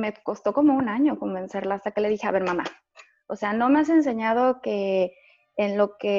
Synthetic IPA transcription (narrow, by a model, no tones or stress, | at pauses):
me̞ko̞st̪o̞ko̞mo̞unaɲo̞ko̞mbe̞nse̞ɾlaaːst̪ake̞le̞ðixe̞a̰βe̞ɾmama̰ | ose̞ano̞me̞as̬e̞ns̬e̞ɲað̞o̞ke̞ː | nlo̞ke̞